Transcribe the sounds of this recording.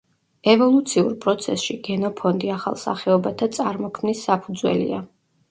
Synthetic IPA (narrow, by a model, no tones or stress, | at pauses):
ɛvɔlˠut̪sʰiṵɾpʼɾɔt̪sʰɛ̰sʃiɡɛnɔpʰɔnd̪iaχa̰lˠsa̰χɛɔbat̪ʰat̪sʼaɾmɔkʰmnisːapʰud̪zwɛ̰lḭa